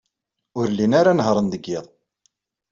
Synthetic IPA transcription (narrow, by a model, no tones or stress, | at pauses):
ʊɾlːinaɾanɦɾˤənd̪əɡːɪðˤ